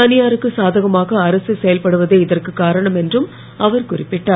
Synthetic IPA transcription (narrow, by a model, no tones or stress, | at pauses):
ɐnɪjaːɾɯkːɯsaːðɐɣɐmaːɣɐːɾɐsɯsɛjɐlpɐɽɯʋɐðeːɪðɐrkɯkːaːɾɐɳɐmɛndrɯm | ɐʋɐɾkʊrɪpːɪʈːaː